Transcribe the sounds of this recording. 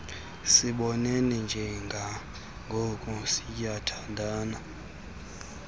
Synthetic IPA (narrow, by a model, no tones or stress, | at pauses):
siɓɔnɛnɛnd͡ʒʱɛŋɡʱa | ŋɡʱokʼusijatʰandʱaːna